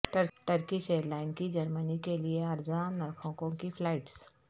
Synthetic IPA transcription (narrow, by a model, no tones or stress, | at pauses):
ʈəɾkiʃeːɾlaːɪnkid͡ʒɐɾmənikelieɐɾd͡ʒaːnnɐɾkʰõkõkipʰlaːɪʈs